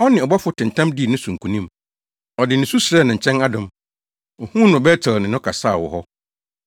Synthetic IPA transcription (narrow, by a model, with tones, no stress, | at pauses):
ɔ˦nɪ̃˨ɔ˨bɔ˦fʊ˦tʰɪ̃˨n̩˨tʰã˦mdi˦˨nʊ̃˦sũ˨ŋ̩˨kʰũ˨nĩ˦m | ɔ˨dɪ˨nɪ̃˨su˦sɾɛ˦˨nɪ̃˨ɲ̩˨t͡ɕʰɛ̃˦na˦dʊ̃˨m | ɔ˨hũ˦nʊ̃˨bɛ˦tʰɪ˨lnɪ̃˨nʊ̃˦kʰa˨saː˦˨wɔ̰˨ɦɔ˦